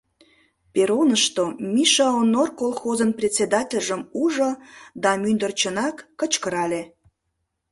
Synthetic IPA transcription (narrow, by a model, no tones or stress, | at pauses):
peɾonəʃt̪omʲiʃɑonorkolˠxozənprʲesʲed̪ɑtʲelʲʒəmuʒod̪ɑmynd̪ərt͡ɕənɑkːət͡ɕkəɾɑlʲe